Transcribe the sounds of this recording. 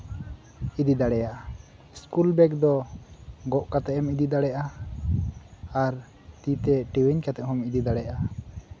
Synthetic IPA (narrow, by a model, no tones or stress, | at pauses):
id̪id̪aɽɛja | iskulbɛkd̪ɔ | ɡɔʔkat̪ɛʔɛmid̪id̪aɽɛjʔa | aɾ | t̪it̪ɛʈiwiɲkat̪ɛʔhɔmid̪id̪aɽɛjʔa